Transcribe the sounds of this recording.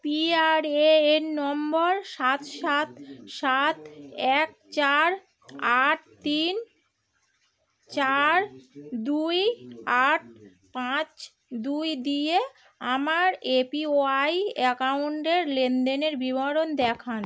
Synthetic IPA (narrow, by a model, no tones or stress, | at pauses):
piaɾeenɔmboɾʃat̪ʃat̪ʃat̪ɛk̚ | t͡ɕaɾ | aʈ̚t̪in | t͡ɕaɾd̪ujaʈ̚ | pãt͡ɕ | d̪ujd̪ije | amaɾepioajekawɳʈeɾlend̪eneɾbibaɾond̪ɛkʰan